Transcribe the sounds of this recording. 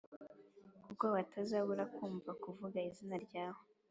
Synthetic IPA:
kubɡaβatʰazaβuɾakuːmvakuvuɡaizinaɾɟaːho

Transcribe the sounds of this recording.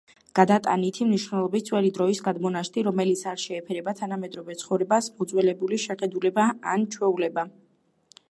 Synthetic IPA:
ɡ̥ad̪at̪ʼa̰nit̪ʰimniʃwnɛlˠɔbit̪t̪sʰʼwɛlid̪ɾɔisɡad̪mɔnaʃt̪ʰʼiɾɔmɛlit̪sʰaɾʃɛːpʰɛɾɛbat̪ʰanamɛd̪ɾɔvɛt̪sʰχɔvɾɛbasmɔd̪zwɛlɛbuliʃɛχɛd̪ulɛbaa̰nt͡ʃʰwɛulɛba

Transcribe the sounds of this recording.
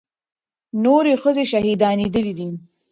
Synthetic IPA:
noɾexəzeʃaɦid̪ɑned̪əlid̪i

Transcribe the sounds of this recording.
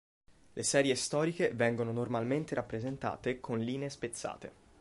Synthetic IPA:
lʔesɛːɾjest̪ɔːɾikevɛŋɡononormalment̪eɾapːɾezent̪a̰ːt̪ekʰonliːneespet̪sːa̰ːt̪ḛ

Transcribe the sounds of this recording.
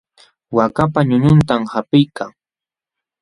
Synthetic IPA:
wakapaɲʊɲʊnt̪amhapɪjkaŋ

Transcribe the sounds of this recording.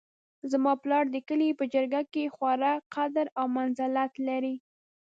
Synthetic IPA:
zmɑplɑɽd̪əkəlipəd͡ʒəɾɡakexwaɾaqad̪ɾawmanzalat̪laɾi

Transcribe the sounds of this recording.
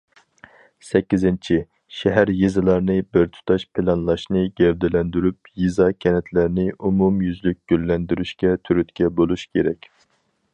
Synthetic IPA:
sɛkʲːizɪnt͡ʃʰi | ʃɛɦæɾjizɨlˠɑɾnɨbɪɾt̪ʰu̥t̪ʰɑʃpʰɪlˠɑnlˠɑʃnɨɡ̥ʲɛɾd̪ɪlɛnd̪yɾyp̚jizɑkʲʰɛnɛt̪ʰlæɾnɪʔumumjyzlyk̚ʲɡ̥ʲylːɛnd̪yɾyʃkʲɛt̪ʰyɾyt̪kʲʰɛbolˠuʃkʲʰeɾɛkʲ

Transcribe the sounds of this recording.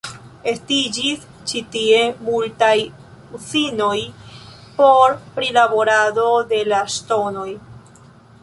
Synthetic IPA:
e̞stid͡ʒis | t͡ʃitie̞multaj | ut͡sino̞jpo̞ɾpɾilabo̞ɾado̞de̞laʃto̞no̞j

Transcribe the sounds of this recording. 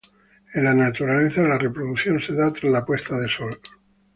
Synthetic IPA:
enlanat̪uɾaleθalare̞pɾoðuθjo̞nse̞ðat̪ɾazlapwe̞st̪aðeso̞l

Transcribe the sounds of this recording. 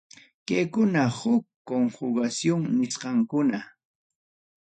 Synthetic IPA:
kajkʊnahʊkːoŋhʊɢasjoŋnɪsqɑŋkʊna

